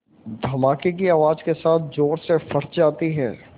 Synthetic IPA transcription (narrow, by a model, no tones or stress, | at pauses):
d̪ʱɐmaːkek̬iaːʋaːd͡ʒkesaːt̪̚ʰd͡ʒoːɾsefɐɽd͡ʒaːt̪iɦɛ̰ː